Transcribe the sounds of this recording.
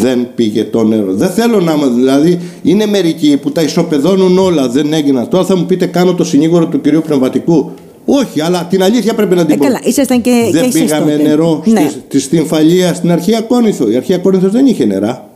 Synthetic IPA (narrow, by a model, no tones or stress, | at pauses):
ðe̞npiʝe̞t̪o̞ne̞ɾo̞̰ðe̞nθe̞lo̞nɐmɐðilɐði | ineme̞ɾiciput̪ɐiso̞pe̞ðo̞nuno̞lɐðe̞ne̞ɡinɐnt̪o̞ɾɐθɐmupit̪e̞kɐno̞t̪o̞siniɣo̞ɾo̞t̪uciɾiupne̞vmɐt̪iku | o̞çiɐlɐt̪inɐliθçɐpɾe̞pinɐd̪iboɐlɐisɐst̪ɐneðebiɣɐme̞ne̞ɾo̞snt̪ist̪iɱfɐʎiɐst̪inɐɾçiɐko̞niθo̞iɐɾçiɐko̞niθozðe̞niçene̞̰ɾɐ